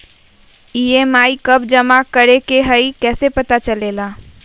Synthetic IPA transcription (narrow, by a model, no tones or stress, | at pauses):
iemaikəb̚d͡ʒəmakəɾekeɦəjkɛsepət̪at͡ʃəlela